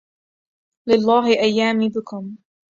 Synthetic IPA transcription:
lɪlˤːɑːɦɪʔajːaːmiːbɪkʊm

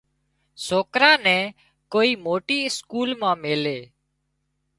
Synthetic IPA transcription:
soːkɾãːnɛ̃ː | koːiːmoːʈiːɪskuːlmãːmeːleː

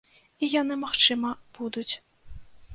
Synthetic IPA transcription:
ijanɨmaxt͡ʂɨmɐb̥ud̪ut͡sʲ

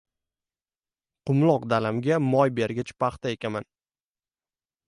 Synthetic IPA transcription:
qʊmlˠɒqd̪alamɡʲamɒjbe̞ɾɡʲat͡ʃpʰɑχt̪ae̞kʲaman

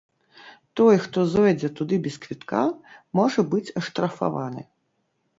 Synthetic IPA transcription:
t̪ɔjxt̪ɔzɛd͡zʲɛt̪ud̪ɨbʲɛskvʲit̪kamɔʐɐbɨt͡sʲɐʂt̪ɾɐfa̰va̰nɨ̰

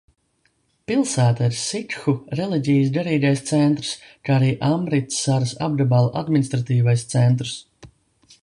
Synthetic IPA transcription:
pilˠsæːt̪aiɾsikxuɾɛliɟʲijs̬ɡaɾiːɡajst̪sɛnt̪ɾskaːaɾiːʔambɾit̪saɾɨsa̰b̚d̪abalˠʔa̰d̪minʲist̪ɾat̪iːvajst̪sɛnt̪ɾs

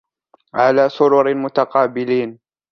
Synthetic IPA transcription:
ʕalaːsʊɾʊɾɪmʊt̪aqɑːbɪliːn

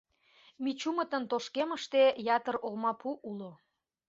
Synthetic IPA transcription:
mit͡ɕumət̪ənt̪oʃkeməʃt̪ejɑt̪ərolmɑpuʔulo

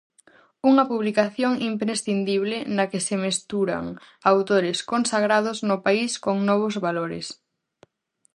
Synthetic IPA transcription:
uŋɐpuβlikaθjoŋimpɾesθind̪iβ̞lɪnɐkesɪmest̪uɾa̰ŋ | awt̪oɾɪskonsaɣ̞ɾað̞ʊznʊpaiskoŋnɔβ̞ʊzβaloɾɪ̰s

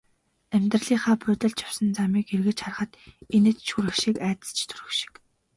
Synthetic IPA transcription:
æmʲt̪rə̆ɮiːχaːpʰʊːt̪ə̆ɮt͡ɕ̪t͡ɕjḁw̥sə̆nt͡samiːkerɣɘ̆t͡ɕχarə̆χə̆t̪enĕt̪ʃuɾɘ̆xʃikæːt̪ə̆ɮt͡ɕʰt̪ʰɵ̥ɾɵ̆xʃi̥k

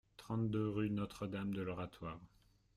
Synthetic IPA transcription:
t̪χɑ̃t̪d̪øʁynɔt̪χəd̪amd̪əlɔʁat̪waːʁ

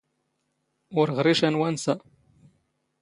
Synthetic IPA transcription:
ʊɾʁɾiʃænwænsæ

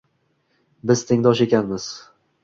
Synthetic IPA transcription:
bɪz̥t̪ʰɪŋd̪ɒʃe̞kʲanmɪz̥

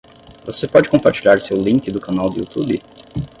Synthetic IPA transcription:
vosepɔd͡ʒɪkõpaɾt͡ʃiʎaɾsewlĩŋkɪd̪ʊkanawd̪ʊṵt̪ubɪ

